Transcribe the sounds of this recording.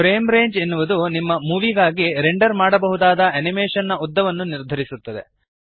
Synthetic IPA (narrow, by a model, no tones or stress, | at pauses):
pɾeːmɾe̞ːɲd͡ʒenːuʋud̪unimːɐmuːʋiɡaːɡiɾeɳɖɐɾmaːɽɐbɐɦud̪aːd̪ɐɐnimeːʂɐnːɐɔd̪ːɐʋɐnːuniɾd̪ʱɐɾisut̪ːɐd̪e̞̰